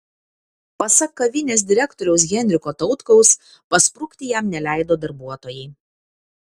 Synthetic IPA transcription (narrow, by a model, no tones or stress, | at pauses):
pɐsɐkːɐʋʲɪnʲeːs̬ʲd̪ʲɪɾʲɛkt̪oːɾʲɛʊs̬ɡʲɛnʲɾʲɪkoːt̪ɒʊt̪kɔʊs | pɐspɾʊkʲt̪ʲɪjæmnʲɛlʲæˑɪd̪oːd̪ɐɾbuɔt̪oːjɛɪ